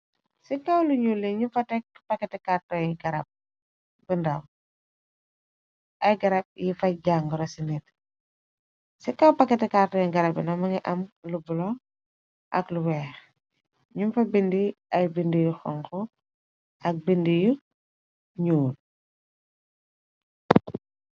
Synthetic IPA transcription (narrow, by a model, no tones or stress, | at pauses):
sikɐwluɲuːlːiɲumfɐtɛkpɐkːɛtɛkartɔjɡɐɾɐb̚ | bəndɐw | ɐjɡɐɾɐp̚jifɐɟaŋɡɾɐsinit | sikɐwpɐkːɛtɛkartɔjɡɐɾɐbinɐmɐŋiʔɐmlubulɔ | ʔɐ̰kluwɛːx | ɲumfɐbindiɐjbindijuxɔ̰ŋkɔ | ʔɐk̚bindiju | ɲuːl